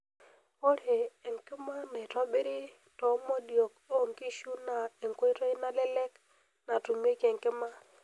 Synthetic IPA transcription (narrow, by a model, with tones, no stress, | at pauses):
o˦ɾeː˨ŋkɪ˦ma˦nɛ˨twa˦bɪ˦ɾi˦ | tɔ˨˦mɔ˦djo˨k̚o˦˨ŋki˦ʃu˦na˨e˨ŋko˦jtɔ˦ɪ˦na˦lɛ˦lɛ˦k | na˨tu˨m˦e˦ke˨ŋkɪ˦ma˦